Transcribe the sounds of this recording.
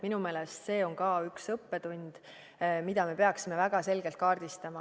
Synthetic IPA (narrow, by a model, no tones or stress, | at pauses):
minume̞ːlest̪se̞ːo̞ŋkɑyksɤpːe̞t̪unʲd̪̥ | mid̪ɑme̞peɑksime̞væɡ̥ɑse̞lɡ̥elt̪̚kɑːrd̪̥ist̪ɑmɑ